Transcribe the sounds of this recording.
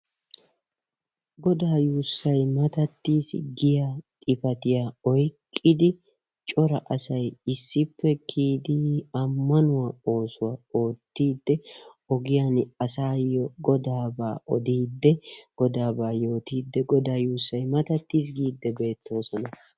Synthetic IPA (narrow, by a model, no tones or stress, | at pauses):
ɡɔd̪aːjuːsːɐjmɐt̪ɐt̪ːiːsɡɪjat̪ʼɪfɐt̪ɪjaːɔjkʼːɪd̪ɪ | t͡ʃʼɔɾɐʔɐsɐjɪsːɪpːɛkʰiːd̪ɪɐmːɐnʊwao̞ːsʊwao̞ːt̪ːiːd̪ːɛ | ɔɡɪjanɐsaːjɔɡɔd̪aːbaːɔd̪iːd̪ːɛɡ̥ɔd̪aːbaːjo̞ːt̪iːd̪ːɛɡɔd̪aːjuːsːɐjmɐt̪ɐt̪ːiːs̬ɡiːd̪ːɛbe̞ːt̪ʰːo̞ːsɔnɐ